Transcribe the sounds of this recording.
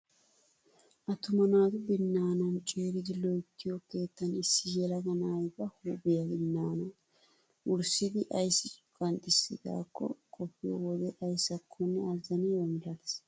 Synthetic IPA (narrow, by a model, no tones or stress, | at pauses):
ʔɐt̪ʊmɐnaːt̪ʊbɪnːaːnɐnt͡ʃʼeːɾɪd̪ɪlɔjɪt̪ːɪjoke̞ːt̪ːɐnɪsːɪjɛlɐɡɐnaːjbɐhuːbɪjɐbɪnːaːnɐ | wʊɾsɪd̪ɪʔɐjsːɪt͡ʃʼʊ̥kʼɐnt̪ʼɪsːɪ̰da̰ːkːɔ̰kʼɔpːɪjɔwɔd̪ɛʔɐjsɐkʰːɔnːɛɐzɐnɛwɐmd̪ɐd̪ɪs